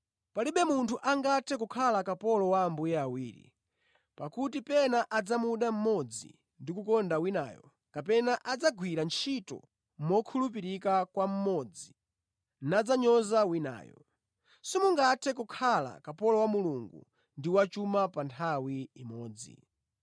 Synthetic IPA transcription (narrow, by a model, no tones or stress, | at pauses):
paliɓɛmuntʰuʔaŋɡatʰɛk̬ukʰalakapɔlɔwaːmbujaawiːɾḭ | pakutipɛnaʔad͡zamuɗam̩mɔd͡zḭ | ndikukɔndawina̰ːjɔ̰ | kapɛnaʔad͡zaɡwiɾant͡ʃʰitɔ̰ | mɔkʰulup̬iɾikakwam̩mɔd͡zi | nad͡zaɲɔzawina̰ːjɔ̰ | simuŋɡatʰɛk̬ukʰala̰kapɔlɔwamuluŋɡṵ | ndiwat͡ʃumapantʰawiimɔːd͡zḭ